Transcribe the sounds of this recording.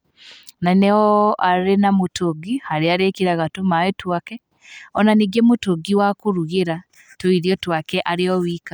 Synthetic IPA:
nanɛɔaɾenamotoɡihaɾeaɾekiɾaɣatomawetwakɛ | ɔnaniɡemotoɡiwakoɾuɣeɾa | toiɾiɔtwakɛʔaɾeɔwiːka

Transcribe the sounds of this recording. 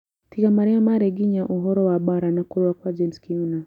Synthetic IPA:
tiɡamaɾiamaɾɛɡiɲaʔuɦɔɾɔwaɓɔɾanakɔɾakwad͡ʒɛnskiuna

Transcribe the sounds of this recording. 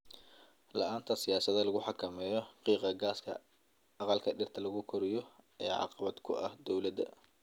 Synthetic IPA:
lɐ̰ʔaːnt̪ʰɐsɪjaːsɐðɐlɐɣʊħɑkʰɐmɛːjɔɑqiːqɑɡaːskʰɐ̰ | ɑqɑlkʰɐɖɪrt̪ʰɐlɐɣʊkʰɔɾɪjɔʔɐja̰ːʕɑ̰qɑβɐd̪kʰʊʔɐhd̪ɔwlɐðɐ̰

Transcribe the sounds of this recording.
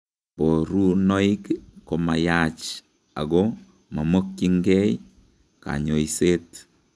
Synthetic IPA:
poɾunɔikkːɔmajat͡ʃ | a̰ɡɔ | mamokːiŋɡɛj | ka̰ɲoiset

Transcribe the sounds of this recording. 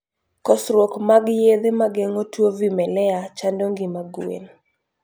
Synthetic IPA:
kɔsɾwokmaɡjed̪emaɡeŋotwovimɛlɛat͡ʃandoŋɡimaɡuḛn

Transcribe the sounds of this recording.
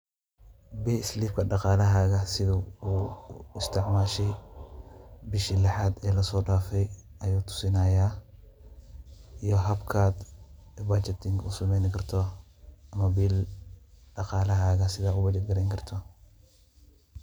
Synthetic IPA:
bɛːɪsliːbkʰɐɖɑqɑːlɐɦaːɣɐsɪðɐuːɪst̪ʰɪʕmaːʃɛj | bɪʃilɐħaːd̪ɛːlɐsɔːɖaːfɛj | ɐjuːt̪ʰʊ̥sɪnajaː | ijɔɦɐbkʰaːd̪ | ɛbat͡ʃɛt̪ʰɪŋkʰʊsɐmɛjnɪkʰɐrt̪ʰɔ | ɐmɐbil | ɖɑqɑːlɐɦaːɣɐsɪðaːʊbɐt͡ʃɛd̪̚ɡɐɾɛjŋkʰɐrt̪ʰɔ

